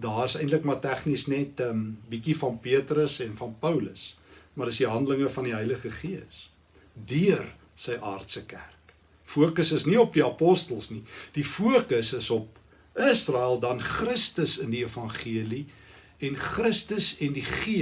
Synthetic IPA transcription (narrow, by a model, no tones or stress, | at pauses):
dɑːəsəjntləkmɐtæχnisnɛtəmbikifɐnpiətrəsɛnfɐnpəwləsmɐrdəsdiɦɐndələŋəfɐndiɦœjləχəχiəs | diər | səjʔɑːrtsəkærk | fuəkəsəsniɔp̚diɐpɔstəlˠsnid̥ifuəkəsəsɔp̚ | əsrɑːælˠdɐnχrəstəsəndiefɐnχiəli | ɛnχrəstəsɛndiχiə